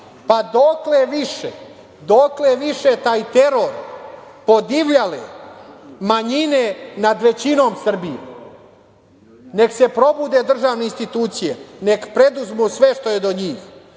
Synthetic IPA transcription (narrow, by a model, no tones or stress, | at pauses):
pad̪okleʋiʃḛ | d̪okleʋiʃet̪aːjt̪eɾoɾ | pod̪iʋʎalḛ | maɲinenad̪ʋe̞t͡ɕino̞ːmsr̩bijḛ | ne̞kse̞pɾo̞bud̪ed̪r̩ʒaːʋne̞inst̪it̪uːt̪sijḛne̞kpɾe̞d̪uzmusʋe̞ʃt̪o̞jed̪oɲiːx